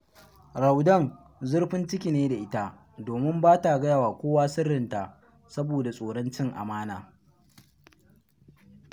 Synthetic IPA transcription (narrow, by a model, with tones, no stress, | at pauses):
ɾa˨wdɐ˦˨ŋ | zʊ˦ɽɸɪ˦nt͡ʃɪ˦kʲi˨neː˦da˨ʔɪ˦ta˦ | doː˨mɪ˦mbaː˦ta˨ɡɐ˦ja˨waː˨kʷoː˦waː˦sɪ˦rːɪ˨nta˨ | sɐ˦boː˨da˨sʼoː˨ɽɔ˦nt͡ʃɪ˦ŋʔa̰˨maː˦naː˨